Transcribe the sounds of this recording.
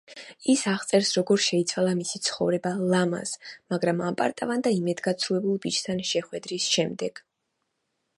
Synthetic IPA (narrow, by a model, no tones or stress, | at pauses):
isaʁt̪sʼɛɾsɾɔɡɔɾʃɛit̪sʰwalˠamisit̪sʰχɔvɾɛbalˠama̰smaɡɾamampʼa̰ɾt̪ʼavand̪aimɛd̪ɡat̪sʰɾuɛbulˠbit͡ʃʰt̪ʰanʃɛχwɛd̪ɾisʃɛmd̪ɛɡ̥